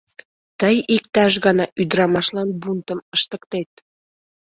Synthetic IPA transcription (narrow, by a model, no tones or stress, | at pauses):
t̪əjik̚t̪ɑʃ̬ɣɑnɑʔyd̪ɾɑmɑʃlɑnbunt̪əməʃt̪ək̚t̪et̪̚